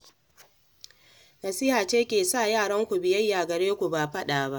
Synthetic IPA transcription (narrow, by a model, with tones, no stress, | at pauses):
nɐ˨siː˦haː˨t͡ʃeː˦kʲeː˨saː˦˨jaː˦˨ɽɐ˦ŋkʷu˨bɪ˨jɐ˦jːaː˨ɡɐ˨ɽeː˦kʷu˨baː˨ɸɐ˦ɗaː˨ba˦ʔ